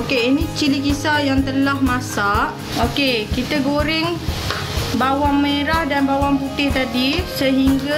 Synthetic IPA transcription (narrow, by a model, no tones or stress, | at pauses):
okeinit͡ʃilikisajaŋt̪əlahmasaʔ | okekit̪əɡoɾɪŋ | bawaŋmeɾahdanbawaŋput̪ɪht̪adisəɦiŋɡa